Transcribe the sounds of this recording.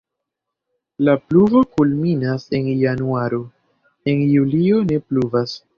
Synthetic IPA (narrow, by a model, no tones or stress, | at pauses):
lapluvo̞kulminase̞njanuaɾo̞ | e̞njulio̞ne̞pluvas